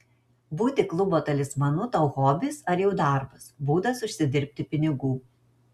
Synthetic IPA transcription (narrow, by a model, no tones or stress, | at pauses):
buːt̪ʲɪklˠʊboːt̪ɐlʲɪsmɐnʊt̪ɐʊɣoːbʲɪsɐɾjɛʊd̪ɐˑɾbɐsbuːd̪ɐsʊʃʲsʲɪd̪ʲɪɾʲpʲt̪ʲɪpʲɪnʲɪɡuː